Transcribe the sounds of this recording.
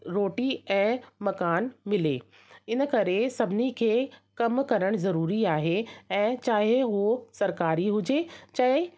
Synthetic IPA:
ɾoːʈiɛ̃ːmɐkaːnmɪlḛː | ɪnə̆kɐɾesɐbʱɪnikʰeːkɐmkɐɾəɽ̃zɐɾuːɾiaːɦeɛ̃ːt͡ɕaːɦeɦusɐɾkaːɾiɦʊd͡ʑet͡ɕɐɦɪ

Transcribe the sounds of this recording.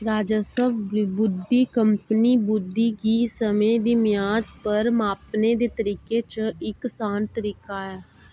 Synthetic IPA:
ɾaːd͡ʒəsəbbʊd̪ːiːkəmpniːbʊd̪ːiːɡiːsəmẽːd̪iːmɪjaːd͡ʒ̪pəɾmaːpneːd̪eːt̪əɾiːkeːt͡ʃɪksaːnt̪əɾiːkaːɛː

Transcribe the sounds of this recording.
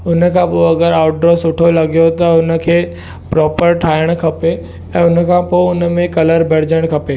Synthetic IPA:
ʊnə̆kʰãpoɐɡəɾaːʊʈ̚ɖɾɔːsʊʈʰolɐɡjot̪ɐʊnə̆kʰeː | pɾɔːpəɾʈʰaːəɽ̃kʰɐpe | ɛ̃ːʊnkʰãpoʊnmẽkɐləɾbɛɽ̤d͡ʑəɽ̃kʰɐpeː

